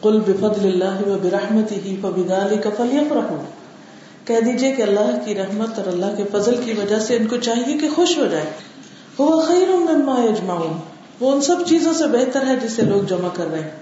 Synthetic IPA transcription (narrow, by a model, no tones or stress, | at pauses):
qʊlbɪfɐd̪lɪlːaːɦɪwɐbɪɾɐħmət̪ɪɦifɐbɪðaːlɪkɐfɐljɐfɾɐɦuː | kɛɦd̪iːd͡ʒiekeɐlːaːɦkiɾɐɦmət̪ɔːɾɐlːaːɦkefɐzəlkiʋɐd͡ʒaseʊnkot͡ʃaːɦiekexʊʃɦod͡ʒaːeː | hʊʋaxɐːɾʊnmɪnmaːjɐd͡ʒmauːn | ʋoʊnsɐbt͡ʃiːzõsebɛɦt̪əɾɦɛd͡ʒɪsːeloːɡ̚d͡ʒɐmakɐɾːɐɦẽː